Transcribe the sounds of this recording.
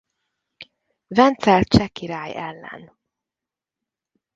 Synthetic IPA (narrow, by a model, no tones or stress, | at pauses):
vɛnt̪sɛlt̪̚t͡ʃɛkːiɾaːjɛlːɛ̰n